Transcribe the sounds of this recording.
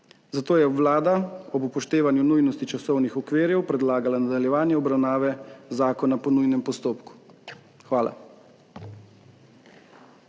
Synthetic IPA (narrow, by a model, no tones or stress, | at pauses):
zat̪oːjɛwlaːd̪aɔbupɔʃt̪eːʋanjunujnɔst̪it͡ʃasɔwnixɔkʋeːɾjɛwpɾɛd̪laːɡalanad̪aljɛʋaːnjɛɔbɾawnaːʋɛzaːkɔnapɔnujnɛmpɔst̪oːpku̥ | xʋaːla̰